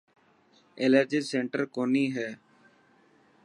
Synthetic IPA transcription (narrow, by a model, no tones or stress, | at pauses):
eləɾd͡ʒisẽːɳʈəɾkoːniːɦɛː